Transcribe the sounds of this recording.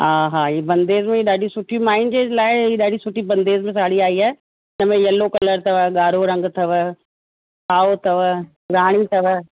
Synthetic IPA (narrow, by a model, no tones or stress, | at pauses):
ɦaːɦaːiːbɐ̃nd̪eːzmẽiːɗaːɖʱisʊʈʰijumaːɪnd͡ʑeːlaːɪiːɗaːɖʱisʊʈibɐ̃nd̪eːzmẽs̬aːɽiaːiaː | ɪnəmẽjɐlokɐləɾt̪ʰɐʋəɠaːɾoɾɐ̃ŋɡt̪ʰɐʋə | kʰaːot̪ʰɐʋ | ɾaːɽ̃it̪ʰɐʋə